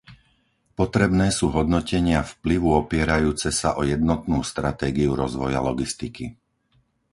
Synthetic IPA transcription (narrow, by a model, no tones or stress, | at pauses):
pɔt̪ɾɛbnɛːsuːɦɔd̪nɔcɛɲɪafpliʋuɔpɪɛɾajuːt͡sɛsaʔɔjɛd̪nɔt̪nuːst̪ɾat̪ɛːɡiuɾɔzʋɔja̰lɔɡist̪iki